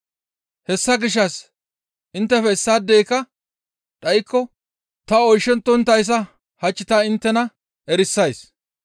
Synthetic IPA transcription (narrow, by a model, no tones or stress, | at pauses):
hɛsːɐɡɪʃ̬ːɐs | ʔɪnt̪ːɛfɛɪsːaːd̪ːeːkɐ | ᶑɐjɪkːɔ | t̪ɐɔjʃːɛnt̪ːɔnt̪ːɐjs̬ɐ | hɐt͡ʃːɪt̪aɪnt̪ːɛnɐ | ɛɾɪsːɐjs